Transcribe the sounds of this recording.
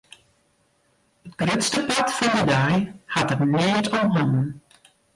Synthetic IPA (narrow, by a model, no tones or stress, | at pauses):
ət̚ɡ̥røtstəpatfɔndədajhatərnɪːətɔmɦɔnən